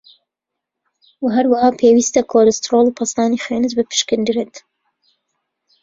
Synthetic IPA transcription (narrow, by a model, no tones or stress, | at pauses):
waɦɐɾwahɑːpʰeːwist̪ɐkʰolɪst̪ɾolˠupʰɐsɑːnixeːnɨzbɨpʰɨ̥ʃkɨnd̪ɨɾet̪